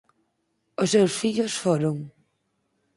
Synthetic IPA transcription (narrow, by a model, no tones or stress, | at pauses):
ʊsːewsfiʎosfoɾoŋ